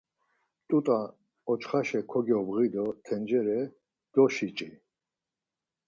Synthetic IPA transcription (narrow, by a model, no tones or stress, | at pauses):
t̪ʼut̪ʼa | ɔt͡ʃχaʃɛkʰɔɡiɔbɣid̪ɔt̪ʰɛnd͡ʒɛɾɛ | d̪̥ɔʃit͡ʃʼi